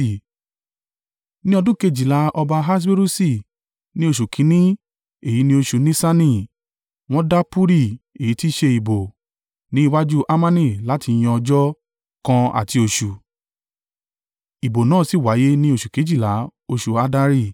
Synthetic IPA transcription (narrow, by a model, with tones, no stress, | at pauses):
nĩ˦ɔ˧dũ˦˨ke˧d͡ʒi˨la˨˧˦ʔɔ˧ba˧ɦa˦s̬be˦ɾu˦si˦˨ | nĩ˦o˧˨ʃu˨kʰĩ˨˦nĩ˦ | e˨ji˨˦nĩ˦o˧ʃu˧nĩ˦sa˦nĩ˧˨ | w̃ɔ̃˦da˦pu˦ɾi˦˨e˨ji˨˦ti˦ʃe˧i˨bo˨ | nĩ˦i˧wa˦d͡ʒu˦ʔa˦mã˦nĩ˦˨la˨˦ti˧j̃ɔ̃˧ɔ˧d͡ʒɔ˦ | kã˧a̰˨ti˧o˧ʃu˨ | i˨bo˨nãː˦˨si˨˦˨wa˨˦je˦nĩ˦o˧˨ʃu˨ke˨˦d͡ʒi˦˨la˨˦o˧ʃu˧a˧da˧ɾi˧˨